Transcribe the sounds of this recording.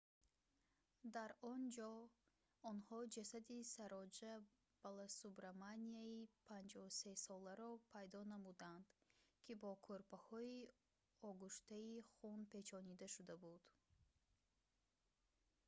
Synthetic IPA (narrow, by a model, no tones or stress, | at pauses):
d̪aɾɔnd͡ʒɔ | ɔnhɔd͡ʒasad̪isaɾɔd͡ʒa | b̥alasubɾamaniaipʰand͡ʒɔse̞sɔlaɾɔpʰajd̪ɔnamud̪and̪̥kʰibɔkʰoɾpʰahɔi | ɔɡuʃt̪aiχunpʰe̞t͡ʃʰɔnid̪aʃud̪abud̪̥